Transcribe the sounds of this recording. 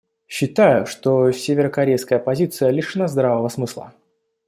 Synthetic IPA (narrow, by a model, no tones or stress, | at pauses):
ɕːɪt̪ajʊʂt̪osʲevʲɪɾəkɐɾʲejskəjəpɐzʲit̪sɨjəlʲiʂnɐzd̪ɾavəvəsmɨslˠə̰